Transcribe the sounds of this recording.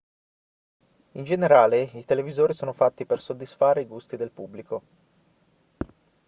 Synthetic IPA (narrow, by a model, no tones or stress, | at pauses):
ind͡ʒeneɾaːleit̪elevizoːɾisoːnofat̪ːipersod̪ːisfaːɾeiɡust̪id̪elpubːliko